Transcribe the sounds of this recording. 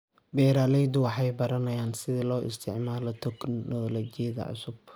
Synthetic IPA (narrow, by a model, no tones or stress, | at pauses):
bɛːɾaːlɛjd̪ʊwɑħɑjbɐɾɐnɐjaːnsɪðɪlɔːʔɪ̰st̪ʰɪʕmaːlɔt̪ʰɛknnɔlːt͡ʃɪjɐðɐ̰ʕʊ̰sʊb̥